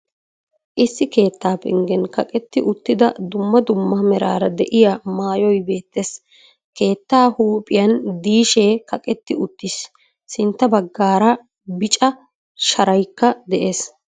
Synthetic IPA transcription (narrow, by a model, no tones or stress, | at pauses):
ʔɪsːɪke̞ːt̪ːaːpɪ̰ŋɡɛnkɐkʼɛt̪ːɪʔʊt̪ːɪd̪ɐ̰d̪ʊmːɐd̪ʊmːɐmɛɾa̰ːɾɐd̪ɛʔɪjamaːjɔjbe̞ːt̪ːeːs | ke̞ːt̪ːaːhuːpʼɪjɐnd̪iːʃeːkɐkʼɛt̪ːɪʊt̪ːɪs | sɪnt̪ːɐbɐɡːaːɾɐ | bɪt͡ʃʼɐ | ʃɐɾɐjkːɐd̪ɛʔe̞ːs